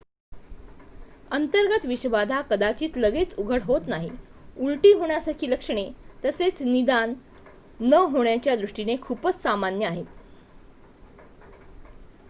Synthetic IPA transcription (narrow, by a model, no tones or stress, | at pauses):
ənt̪əɾɡət̪ʋiɕʋad̪ʱakəd̪at͡ɕiːt̪ləɡet͡suɡʱəɽɦot̪naɦiuɭʈiːɦoɳ̃jasaɾkʰiːləkʂəɳ̃et̪əset͡snid̪anː | əɦoɳjat͡ɕjad̪ɾuʂʈinekʰuːpət͡ssamanjəaɦet̪